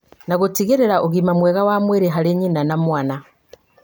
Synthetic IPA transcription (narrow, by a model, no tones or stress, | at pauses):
naɣotiɣeɾeɾaʔoɣimamwɛɣawamweɾeɦaɾeɲinanamwana